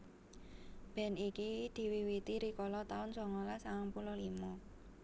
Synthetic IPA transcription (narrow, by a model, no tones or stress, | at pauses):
b̥ɛ̤nikid̪̥i̤wiwit̪iɾikɔlɔt̪aʊnsɔŋɔlasaŋaŋpulɔlimɔ